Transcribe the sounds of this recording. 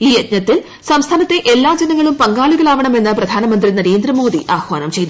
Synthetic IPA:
iːjɐt̪̚ɲɐt̪ːil | sɐmst̪ʰaːnɐt̪ːe̞ʔe̞lːaːd͡ʑenɐŋːɐɭumpɐŋɡaːɭiɣɐɭaːʋɐɳɐme̞nːɨprɐd̪ʱaːnɐmɐnd̪rinɐɾeːnd̪rɐmo̞ːd̪iʔaːxʋaːnɐmt͡ɕe̞jnu

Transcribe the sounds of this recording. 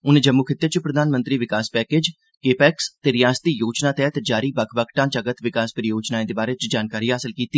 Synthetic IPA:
ʊnẽːd͡ʒəmːuːkʰɪt̪ːət͡ʃpɾəd̪aːnmənt̪ɾiːʋɪkaːspɛːkeːd͡ʒ | keːpɛːkst̪eːɾɪjaːst̪iːjoːt͡ʃnãːt̪ɛːt̪d͡ʒaːɾiːbəkʰbəkʰʈãːt͡ʃəɡət̪ʋɪkaːspəɾijoːt͡ʃnaːẽːd̪eːbaːɾeːt͡ʃd͡ʒaːnkaːɾiːɦaːsəlkiːt̪iː

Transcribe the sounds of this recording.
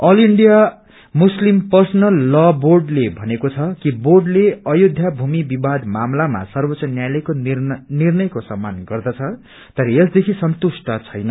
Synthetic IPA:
ʌliɳɖija | muslimpʌrsʌnʌlːʌborɖlebʱʌnekot͡sʰʌkiborɖleʌjod̪ʱjabʱumibibad̪mamlama̰sʌrbʌt͡sʌnjalekonirnʌjkosʌmːanɡʌrd̪ʌt͡sʰʌ | t̪ʌɾʌesd̪ekʰisʌnt̪usʈʌt͡sʰʌjnʌ

